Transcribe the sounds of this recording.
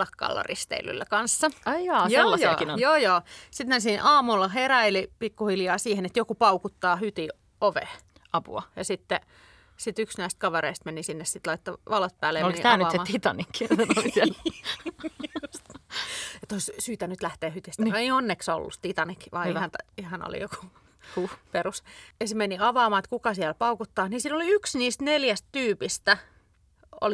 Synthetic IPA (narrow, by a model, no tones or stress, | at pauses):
lɑkːɑ̰lːɑ̰rḭst̪ḛily̰lːæ̰kɑnsːɑɑjɑːjoelːɑjːinojoːjoːsit̪mensiːnʔɑːmulːɑheræilipikːuhiljɑːsiːhenet̪jokupɑukut̪ːɑːhyt̪i | oʋḛ | ɑpṵɑjɑsit̪ːe | sit̪yksnæist̪̚kɑʋeɾeist̪menisinːessit̪lɑit̪ːɑʋɑlot̪̚pæːlejɑoleniit̪æːnyseɑt̪it̪ɑ̰nikːinolisiɛl | s | et̪oissyːt̪ænyt̪læht̪eːhyt̪ist̪ːeionːekso̰lːṵst̪it̪ɑnikːiʋɑ̰ihɑnt̪ihɑno̰lḭjoku̥ | uperusjɑsemeniɑʋɑːmɑːet̪kukɑsiælpɑukut̪ːɑːhnisiːnoliyksniːst̪neljæst̪t̪yːpist̪æ | o̰li